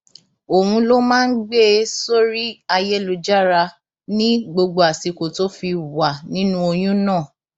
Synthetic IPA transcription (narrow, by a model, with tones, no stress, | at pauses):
o˨ũ˧lo˦mãː˦n̩˦ɡ͡be˦so˦ɾi˦a˧jɛ˦lo˧d͡ʒa˦ɾa˧ | nĩ˦ɡ͡bo˧ɡ͡bo˧a˨si˨˧ko˨to˦fi˧wa˨nĩ˦nũ˦o˧j̃ũ˦nãː˦˨